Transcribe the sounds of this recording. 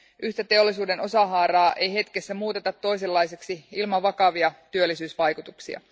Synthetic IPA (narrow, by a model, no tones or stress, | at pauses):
ʔyht̪æt̪e̞o̞lːˑisuːdeno̞sɑɦɑːɾɑːʔejɦe̞t̪kesːæmuːt̪et̪ɑt̪ːo̞jselːɑjseksiilmɑʋɑkɑʋiɑt̪yølːisyːsʋɑjkut̪uksḭɑ̰